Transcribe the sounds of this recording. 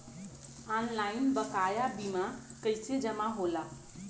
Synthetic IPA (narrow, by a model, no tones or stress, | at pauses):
anlainbəkajabimakəjt͡sed͡ʑəmaɦola